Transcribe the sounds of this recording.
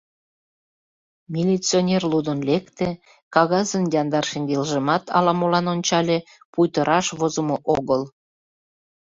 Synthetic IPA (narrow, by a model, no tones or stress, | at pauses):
mʲilʲit͡sionʲerlud̪ənlekt̪e | kɑɣɑzənjɑnd̪ɑrʃeŋɡelʒə̆mɑt̪ʰɑ̰lɑmolɑnonʲt͡ɕɑlʲe | pujt̪əɾʔɑʃβozəmoʔoɣəl